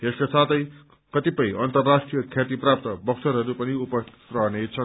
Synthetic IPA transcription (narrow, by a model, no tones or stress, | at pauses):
eskasat̪ʌj | kʌt̪ipʌjʌnt̪ʌrːasʈrijʌkʰjat̪iprap̚t̪ʌbʌksʰʌɾɦʌɾupʌniupʌsrʌɦʌnet͡sʰʌ